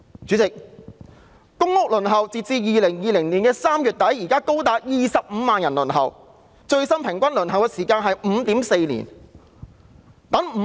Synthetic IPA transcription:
t͡sy˨˥t͡sɪ˨k̚ | kʊ˥ŋhʊ˥k̚lɵ˨˩nɦɐ˨˩wt͡siː˨t̚t͡siː˧jiː˨lɪ˨˩ŋjiː˨˧lɪ˨˩ŋliː˨˩kɛː˧saː˥mjyː˨t̚t̪ɐ˨˥jjiː˨˩kaː˥ko˥wt̪aː˧k̚jiː˨˩sɐ˨p̚m̩ː˨˧maː˨njɐ˨˩nlɵ˨˩nɦɐ˨˩w | t͡ʃɵ˧ɥsɐ˥npʰɪ˨˩ŋkʷɐ˥nlɵ˨˩nɦɐ˨wkɛː˧siː˨˩kaː˧nɦɐ˨jm̩˨˧t̪iː˨˥mse˧jlḭː˨˩n | t̪ɐ˨˥ŋ̩˨

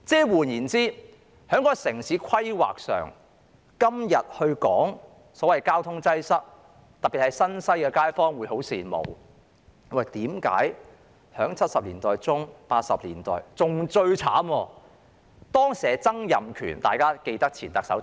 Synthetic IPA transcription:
t͡sɛː˥wuː˨˩njiː˨˩nt͡siː˥ | hœː˨˥ŋkɔː˨˧sɪ˨˩ŋsiː˨˥kʰɐ˥jwa̰ː˨k̚sœ̰ː˨˩ŋ | kɐ˥mjɐ˨t̚hɵ˧ɥkɔː˨˥ŋ | sɔː˨˥wɐ˨jkaː˥wt̪ʰʊ˥ŋt͡sɐ˥jsɐ˥t̚ | t̪ɐ˨t̚pːi˨thɐ˨jsɐ˥nsɐ˥jkɛ˧kaː˥jfɔː˥ŋwuː˨˥jho˨˥wsiː˨nmo̰˨˧w | wɐ˨˩jt̪iː˨˥mka̰ː˨˥j | hœː˨˥ŋt͡sʰɐ˥t̚sɐ˨p̚liː˨˩nt̪ɔː˨˩jt͡sʊ˥ŋpaː˧t̚sɐ˨p̚lḭː˨˩nt̪ɔː˨˩jt͡sʊ˨ŋt͡sɵ˧ɥt͡sʰa̰ː˨˥mɔː˧ | t̪ɔː˥ŋsɛː˨˩t͡sɐ˥ŋjɐ˨mkʰyː˨˩nt̪aː˨jkaː˥ke˧jt̪ɐ˥k̚t͡sʰiː˨˩nt̪a˨ksɐ̰˨˥w

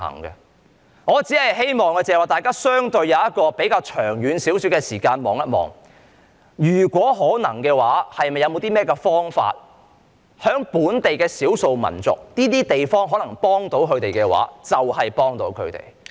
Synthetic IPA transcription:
ɐ̰˨˩ŋkɛ̰˧ | ŋɔː˨˧t͡siː˨˥hɐ˨jɦe˥jmɔː˨ŋkɛ˧t͡sːwaː˨˩t̪aː˨jkaː˥sœː˥ŋt̪ɵ˧ɥjɐ˨˧wjɐ˥t̚kɔː˧pe˨˥jkaː˧wt͡ʃʰœː˨˩ŋjyː˨˧nsiː˨˥wsy˧˥t̚kɛ˧siː˨˩kaː˧nmɔː˨˥ŋjɐ˥t̚mɔ̰ː˨˩ŋ | jyː˨˩kʷɔː˨˥ɦɔː˨˥nɐ˨˩ŋkɛː˧waː˨˥hɐ˨jmɐ˨˩jɐ˧wmo˨˧t̪iː˥mɛː˥kɛː˧fɔː˥ŋfa̰ː˧t̚ | hœː˨˥ŋpuː˨˥nt̪e˨jkɛː˧siː˨˥wso˨˧wmɐ̰˨˩nt͡sʊ̰˨k̚niː˥t̪iː˥t̪e˨jfɔː˥ŋɦɔː˨˥nɐ˨˩ŋpɔː˥ŋt̪o˨˥wkʰɵ˨˧t̪e˨jkɛː˧wa̰ː˨˥t͡sɐ˨whɐ˨jpɔː˥ŋt̪o˨˧˥wkʰɵ̰˨˧ɥt̪ḛ˨j

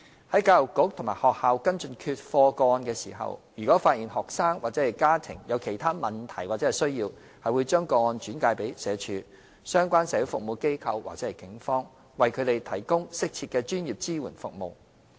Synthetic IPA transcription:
hɐ˨˥jkaː˧lʊ˨kːʊ˨˥k̚t̪ʰʊ˨˩ŋmaː˨˩jhɔː˨k̚haː˨˧wkɐ˥nt͡ʃɵ˧nkʰyː˧t̚fɔː˧kɔː˧ɔː˧nkɛː˧sḭː˨˩ɦɐ̰˨wjyː˨˩kʷɔː˨˥faː˧t̚jiː˨˩nhɔː˨ksaː˥ŋwaː˨t͡sɛː˨˥hɐ˨jkaː˥t̪ʰɪ˨˩ŋjɐ˨˧wkʰe˨˩jt̪ʰaː˥mɐ˨nt̪ʰɐ˨˩jwa˨t͡sɛ˨˥ɐ˨˩sɵ˥ɥjiː˧w | hɐ˨jwuː˨˧jt͡ʃœː˥ŋkɔː˧ɔː˧nt͡ʃyː˨˥nkaː˧jpe˨˥jsɛː˨˧t͡ʃʰyː˨˥ | sœː˥ŋkʷaː˥nsɛː˨˧wo˨˥fʊ˨k̚mo˨wke˥jkʰɐ˧wwaː˨˩t͡sɛː˨˥ɐ˨˩jkɪ˨˥ŋfɔː˥ŋ | wɐ˨jkʰɵ˨˧t̪e˨jt̪ʰɐ˨˩jkʊ˥ŋsɪ˥k̚t͡sʰi˧t̚kɛː˧t͡ʃyː˥njiː˨p̚t͡siː˥wṵː˨˩nfʊ̰˨k̚mo̰˨w

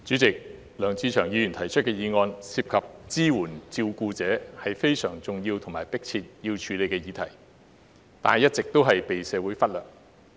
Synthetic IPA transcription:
t͡ʃyː˨˥t͡sɪ˨k̚ | lœː˨˩ŋt͡siː˧t͡ʃʰœː˨˩ŋjiː˨˧jy˨˩nt̪ʰɐ˨˩jt͡ʃʰɵ˥t̚kɛː˧jiː˨˧ŋɔː˧nsiː˨p̚kʰɐ˨p̚t͡siː˥wuː˨˩nt͡si˧wkuː˧t͡sɛː˨˥hɐ˨jfe˥jsœː˨˩ŋt͡sʊ˨ŋjiː˧wt̪ʰʊ˨˩maː˨˩jpɪ˥k̚t͡sʰiː˧t̚jiː˧wt͡ʃʰyː˨˧le˨˧jkɛː˧jiː˨˧t̪ʰɐ˨˩j | t̪a̰ː˨jɐ˥t̚t͡sɪ˨k̚t̪o˥wɦɐ˨jpe˨jsɛː˨˧wuː˨˥jfɐ˥t̚lœ̰ː˨˩k̚

